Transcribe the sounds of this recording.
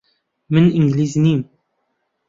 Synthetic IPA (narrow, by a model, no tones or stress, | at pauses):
mənʔɪŋɡlizniːm